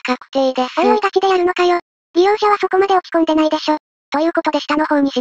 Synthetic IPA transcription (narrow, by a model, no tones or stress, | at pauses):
kako̥t̪eid̪esojoid̪akʲid̪e̞jaɾɯno̞kajo | ɾʲijõːɕaβ̞aso̞ko̞mad̪e̞o̞kʲi̥kõ̞nd̪e̞naid̪e̞ɕo̞ː | t̪o̞jɯ̟ːko̞t̪o̞d̪eɕi̥t̪ano̞ho̞ːɲ̟iɕi